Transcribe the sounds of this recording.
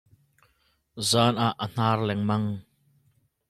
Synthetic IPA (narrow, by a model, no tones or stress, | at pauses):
zaːnʔaʔən̥aːrlɛŋmɐŋ